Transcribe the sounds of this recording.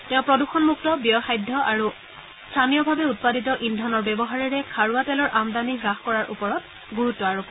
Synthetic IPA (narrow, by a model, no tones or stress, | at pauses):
tɛʊ̃pɹɔduxɔnmuk̚tɔbijɔxajdʱːɔʔaɹu | stʰanijɔbʱabɛut̚paditɔʔindʱɔnɔɹbɛbɔɦaɹiɹɛkʰaɹuatɛlɔɹʔamdaniɡɹaxkɔɹaɹʔṵpɔɹɔt | ɡuɹutːɔaɹup